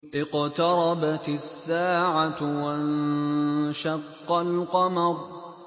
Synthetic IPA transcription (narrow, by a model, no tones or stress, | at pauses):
ʔɪqt̪ɑɾˤɑbat̪sːaːʕawaʔan | ʃɑqːɑlqɑmɑɾˤ